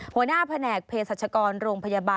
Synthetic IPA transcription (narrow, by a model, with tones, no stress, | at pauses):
hu˩˦ənaː˥˩pʰa˧nɛː˨˩k̚pʰeː˧saː˨˩t̪̚t͡ɕʰa˧kɔː˧nɾoː˧ŋpʰa˧jaː˧baː˧